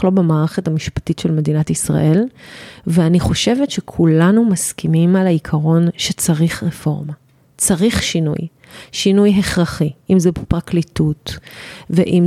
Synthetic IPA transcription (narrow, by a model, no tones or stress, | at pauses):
lo̞bemaːʁeχetamiʃpḁtitʃelme̞d̪inatisʁa̰ʔe̞lveaniχo̞ʃe̞vetʃekʰulanumaskimimalaikʰaʁo̞nʃet͡saʁiχʁefo̞ʁma | t͡saʁiχʃinṵj | ʃinujɦeχʁaχiʔimzebepʁaklitutvḛʔim